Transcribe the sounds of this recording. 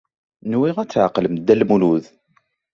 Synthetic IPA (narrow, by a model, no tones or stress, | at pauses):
nwiʁæt͡sːʕəqləmd̪ːælmuluð